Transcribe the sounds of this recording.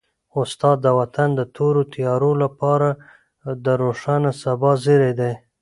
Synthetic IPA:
ʊst̪ɑd̪ːəwat̪and̪ət̪ʰoɾot̪ijɑɾolapɑɾa | d̪əɾoʂɑnasabɑziɾed̪e

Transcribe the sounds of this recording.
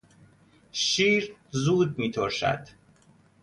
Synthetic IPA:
ʃiːɾzuːd̪̚miːt̪ʰoɾʃæ̰d̪̥

